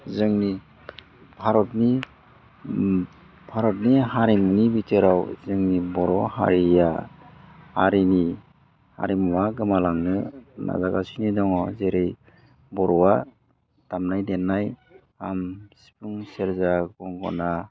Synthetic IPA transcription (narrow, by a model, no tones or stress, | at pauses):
zɯŋni | bʱaɾɔtni | bʰʱaɾɔtniɦaɾimnibitʰeɾawzɯŋnibɔɾɔha̰ɾija | haɾini | ha̰ɾimuwaɡɯmalaŋnɯna̰zaɡasinidɔŋɔzeɾej | bɔɾɔwa | tamnajdenːaj | amsi̥puŋseɾzaɡɔŋɡɔ̰na